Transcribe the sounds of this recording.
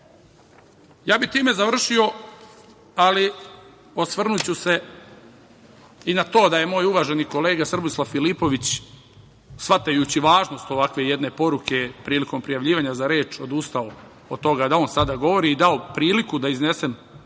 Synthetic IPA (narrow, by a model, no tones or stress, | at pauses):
jaːbit̪iːme̞zaʋr̩ʃio̞ | ali | osʋr̩nut͡ɕuse̞ | inat̪o̞ːd̪aje̞mo̞ːjuʋaːʒeniko̞leːɡasr̩buslˠafilipo̞ʋit͡ɕ | sʋat̪ajut͡ɕiʋaːʒno̞st̪o̞ʋakʋe̞jed̪ne̞po̞ɾukʰepɾiːliko̞mpɾijaʋʎiːʋaɲazaɾeːt͡ʃo̞d̪ust̪ao | ot̪o̞ɡad̪ao̞nsad̪aɡo̞ʋo̞ɾiːd̪ao̞pɾiːlikud̪aizne̞sem